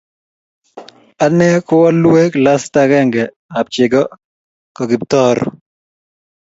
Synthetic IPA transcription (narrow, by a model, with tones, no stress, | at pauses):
a˨nɛ˦kʊ˦wa˦lwe˦kla˦sta˦kɛ˦ŋɡɛ˨ | a˨p̚t͡ʃɪ˨ɡɔ˦ | kɔ˨ɡɪ˨b̚t̪ɔ˦ɾ